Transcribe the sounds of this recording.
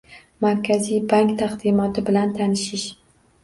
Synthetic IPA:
maɾkʲʰazijbaŋkt̪ʰaqd̪imɒt̪ɪbɪlant̪ʰanɪʃɪʃ

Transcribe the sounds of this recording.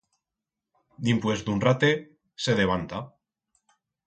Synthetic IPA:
d̪impwe̞zd̪unrat̪e | se̞ðeβ̞ant̪a

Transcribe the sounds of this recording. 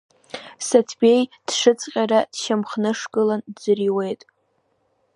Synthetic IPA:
satʰbʲe̞jd̥ʂɨt͡sʼqʲʼaɾad̥ʃamχnɨʂɡʼɨlandd͡zɨriwe̞jtʼ

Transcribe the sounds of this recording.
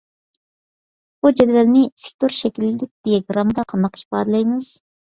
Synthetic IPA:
b̥ud͡ʒɛd̪vɛlnɪsɪ̥k̚ʲt̪ʰoɾʃɛkʲilːɪd̪ɪk̚ʲd̪̥ijɛɡɾɑmd̪ɑqʰɑmːɑqʰi̥ʃpɑ̰ːd̪ɨlˠɑjmɨz̥

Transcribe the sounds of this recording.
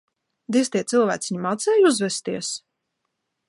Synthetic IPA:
d̪ist̪iɛt̪silˠvæ̰ːt̪siɲimat̪sɛːjuzvɛst̪iɛs

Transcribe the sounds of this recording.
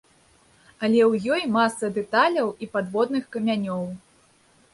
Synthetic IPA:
ɐlʲɛwjɔjmasɐd̪ɛt̪alʲɐwipad̪vɔd̪nɨxkɐmʲanʲɔw

